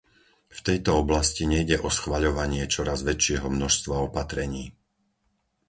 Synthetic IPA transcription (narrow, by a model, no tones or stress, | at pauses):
ft̪ɛjt̪ɔɔblasciɲɛjɟɛʔɔsxʋaʎɔʋaɲɪɛt͡ʃɔɾazʋɛt͡ʃɪɛɦɔmnɔʃst̪ʋaɔpat̪ɾɛɲiː